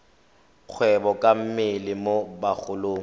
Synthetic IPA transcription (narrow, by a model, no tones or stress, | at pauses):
k͡xʰwɛbɔkʼam̩mɪlɪmobaχʰʊloːŋ̩